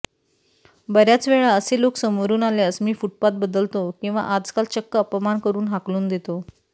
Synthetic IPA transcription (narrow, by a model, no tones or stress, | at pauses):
bəɾjat͡sʋeɭaəseloksəməɾuːnaljasmiːfuʈ̚pat̪̚bəd̪əlt̪okĩw̃ʋa̰ʔad͡zkalt͡ɕəkːəəpəmankəɾuːnɦakluːnd̪et̪o